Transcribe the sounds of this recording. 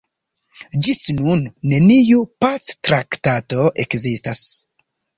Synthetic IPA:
d͡ʒisnunːe̞nijupat͡stɾaktato̞ʔe̞kzistas

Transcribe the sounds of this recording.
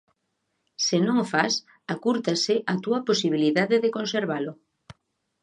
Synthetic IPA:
senõŋfas | akuɾt̪asɪʔat̪uɐposiβ̞iliðaðeðekonseɾβalʊ

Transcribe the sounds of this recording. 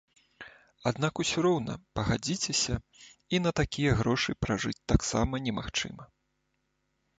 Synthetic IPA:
ad̪nakusʲuɾɔwnɐ̰pɐɣad͡zʲit͡sʲɛsʲɐinɐt̪akʲijɐɣɾɔʂɨpɾaʐɨt͡sʲt̪aksa̰mɐnʲɛmaxt͡ʂɨ̰mɐ

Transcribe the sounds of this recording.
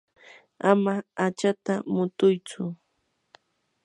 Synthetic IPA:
amaːt͡ʃat̪amʊt̪ʊjt͡sʊ

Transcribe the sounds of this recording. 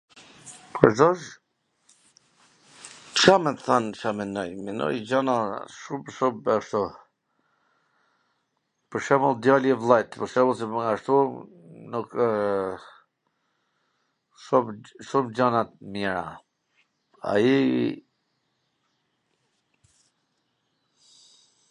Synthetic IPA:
pʰɔɾzɔʃ | ʃamɛθant͡ʃamɛnɔjminɔ̰jd͡ʑanaʃumʃumaʃt̪ɔ | pəɾʃɛməlˠd̪jalɛvlˠajt̪pəɾʃɛməlˠsibŋɡaʃt̪u | nuk | ʃumʃumd͡ʑanat̪mjɛɾa̰ | a̰i

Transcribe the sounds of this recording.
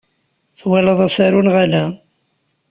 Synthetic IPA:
θwælɑðˤæsaɾunʁalæ

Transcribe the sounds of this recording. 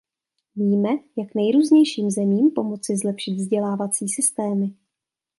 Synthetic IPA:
viːmɛjaknɛjɾuːzɲɛjʃiːmzɛmiːmpo̞mo̞t͡sɪzlɛpʃɪt̪vzɟɛlaːvat͡siːsɪst̪ɛːmɪ

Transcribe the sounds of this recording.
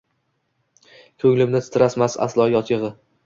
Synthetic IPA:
kʲʰɵŋlɪmnɪsʰɪ̥t̪ʰɪɾasmasa̰slˠɒjɒt̪ʰjɨʁɨ

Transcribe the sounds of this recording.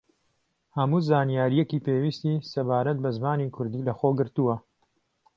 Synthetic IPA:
hɐmuːzaːnijaːɾijɛkiːpeːwiːst̪isɐbaːɾɐt̪̚bɐzmaːnikʰʊɾd̪iːlɐxoːɡɨɾt̪uwɐ

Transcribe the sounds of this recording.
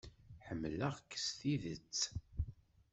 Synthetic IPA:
ħəmːləʁkːə̥sθiðət͡sː

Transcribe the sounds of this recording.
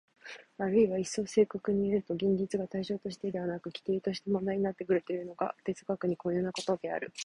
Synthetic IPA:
aɾɯ̟iβaisːo̞ːse̞ːkakɯ̟ɲ̟iaɾɯ̟t̪o̞ɡʲẽɲdʲit͡sɨɡat̪aiɕo̞ːt̪o̞ɕ̬i̥t̪e̞d̪e̞βanakɯ̟kʲi̥t̪e̞ːt̪o̞ɕi̥t̪emond̪aiɲ̟inat̪ːe̞kɯ̟ɾɯ̟t̪o̞jɯ̟no̞ɡa̰t̪e̞t͡sɨkakɯ̟ɲ̟iko̞njoːnako̞t̪o̞d̪e̞a̰ɾɯ̟

